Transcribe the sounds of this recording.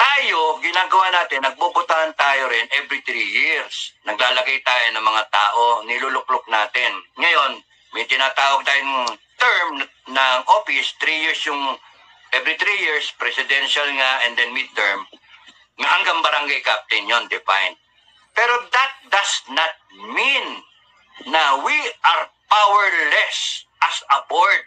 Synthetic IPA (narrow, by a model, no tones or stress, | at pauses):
t̪aːjo̞ɡɪnaːɡɐwaːnaːt̪ɪnːɐɡ̚bubʊt̪aɐnt̪aːjoɾɪnʔɛvɾit̪ɾijɪɹsnɐɡlaːlɐɡɐjt̪aːjonɐŋmɐŋat̪aːʔo̞nɪlulʊk̚lʊk̚naːt̪ɪnŋɐjo̞n | mɐjt̪ɪnaːt̪aːwɐɡ̚t̪ajont̪ɛɹmnɐnɐŋʔoːfɪst̪ɾijɪɹsjʊŋ | ʔɛvɾit̪ɾijiɹspɾɛsɪd̪ɛnʃalŋaʔɛ̃nd̪ɛnmid̪̚t̪ɛɹm | ŋɐhɐŋɡaŋbɐɾaŋɡajkap̚t̪ɪnjond̪ɪfa̰jn̚ | pɛːɾod̪ɐt̪̚d̪ɐsnat̪̚mĩnː | ɐwiʔaɹpawɛɹlɛsʔɐsɐpoɹt̪̚